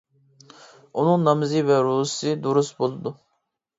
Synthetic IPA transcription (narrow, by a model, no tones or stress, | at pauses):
unuŋnɑmɨzɨvɛɾu̥sɨd̪uɾusbolˠɨd̪u